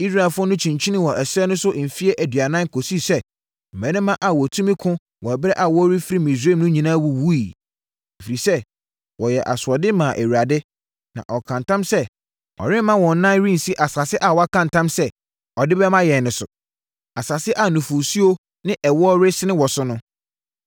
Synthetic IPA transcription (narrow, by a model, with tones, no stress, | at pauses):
i˦sɾaː˨fʊ˦ɔ˦nʊ̃˦t͡ɕʰĩ˨ɲt͡ɕʰi˦nɪ̃˦wɔ˨ʔɛ˨sɛ˦nʊ̃˦sʊ˦ʔm̩˨fi˦e˦ʔæ˨dɥa˨nã˦ŋ˦kʰo˨si˦˨sɛ˦ | m̩˨mɛ̃˨˦nɪ̃˦mːã˦ʔa˨wɔ˨tʰũ˦mĩ˦kʰʊ̃˦ | wɔ˨bɾɛ˦ʔa˨wɔ˦ɾɪ˦fɪ˦ɾi˦mĩ˨s̬e˦˨mnʊ̃˦ɲĩ˨nã˦wu˦wu˦i˨ | e˨fi˨ɾi˨sɛ˦ | wɔ˨jɛ˨ʔa̰˨sʊ˨ɔ˨dɪ˦mã˨ʔe˨wu˨ɾa˨dɪ˦ | nã̰˨ʔɔ˨kʰã˨ntʰã˦msɛ˦ | ɔ̰˨ɾɪ̃˦mã˦wɔ̃˨n˦nã˦nɾĩ˦n̩˨si˦ʔa˨sa˨sɪ˦ʔa˨wɔ˨˦a˦kʰã˨n˨tʰã˦msɛ˦ | ɔ˨dɪ˦bɛ˦mã˦jɛ˨nʊ̃˨sʊ˨ | a˨sa˨sɪ˦ʔa˨nʊ̃˨fʊ˨si˦o˦ | nɪ̃˦ʔɛ˨wɔ˦ɾɪ˦sɪ˦nɪ̃˦wɔ˨sʊ˦nʊ̃˦